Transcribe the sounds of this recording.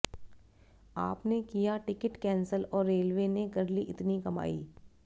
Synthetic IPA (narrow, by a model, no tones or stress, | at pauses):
a̰ːpnekijaʈɪkɪʈkɛ̃ːnsəlɔːɾːeːlʋeːneɡɐɾliʔɪt̪nikɐma̰ːḭː